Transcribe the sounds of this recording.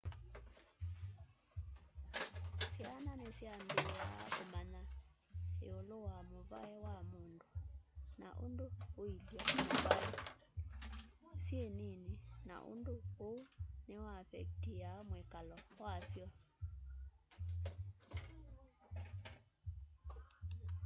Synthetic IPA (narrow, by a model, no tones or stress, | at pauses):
sjananesiambea̰komana | ḛolowamova̰ɛwamondona̰ʔo̰ndooiljamoβaɛ | sjenenena̰ʔo̰ndoonewafɛk̚tiamwɛkalɔwasjɔ